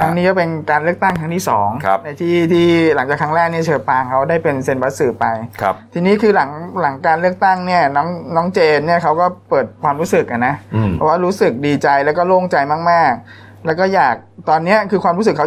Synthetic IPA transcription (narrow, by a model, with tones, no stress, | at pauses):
k̪ʰa˦˥niː˦˥kɔː˥˩pe˧nkaː˧lɯ˥˩ək̚t̪a˥˩ŋkʰa˦˥ŋt̪ʰiː˥˩sɔ̰ː˩˦ŋʰ˦˧na˧jt̪ʰiː˥˩t̪ʰiː˥˩la˩˦ŋt͡ɕaː˨˩kʰa˦˥ŋɾɛː˥˩k̚ni˥˩t͡ɕʰɤː˧paː˧ŋkʰa˦˥wdaː˥˩jpe˧nse˧nba˦˥t̪̚sɯː˨˩pa˧jkʰt̪ʰiː˧niː˦˥kʰɯː˧la˩˦ŋla˩˦ŋkaː˧nlɯ˥˩ək̚t̪a˥˩ŋni˥˩ɐnɔː˦˥ŋnɔː˦˥ŋt͡ɕeː˧nni˥˩əkʰa˦˥wkɔː˥˩pɤː˨˩t̪̚kʰwaː˧mɾuː˦˥sɯ˨˩k̚ʔa˧˩nːa˦˥˩pʰɔː˧˩waː˥˩ɾuː˦˥sɯ˨˩k̚diː˧t͡ɕa˧jlɛː˦˥wkɔː˥˩loː˥˩ŋt͡ɕa˧jmaː˥˩k̚maː˥˩k̚ | lɛ˦˥wkɔː˥˩jaː˨˩k̚t̪ɔː˧nːi˦˥ɐkʰɯː˧kʰwaː˧mɾu˦˥sɯ˨˩kʰːa˦˥